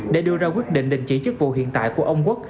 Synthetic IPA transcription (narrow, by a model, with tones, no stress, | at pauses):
ɗe˧˩˦ɗɨ˧əzaː˧kwi˦˥ət̚ɗḭ˧˨ŋ̟ɗï˧˨ŋ̟t͡ɕi˧˩t͡ɕɨ˦˥k̚vṵ˧˨ɦḭ˧˨ənt̪a̰ː˧˨jku˧˩əʔə˧wŋ͡mkwk̚